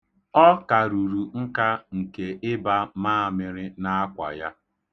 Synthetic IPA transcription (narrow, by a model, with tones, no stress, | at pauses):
ɔ˦ka˨ɾu˨ɾu˨ŋ̩˦ka˦ŋ̩˨ke˨ʔɪ˦ba˦maː˦a˨mɪ˨ɾɪ˦na˦a˦kʷa̰˨ja˦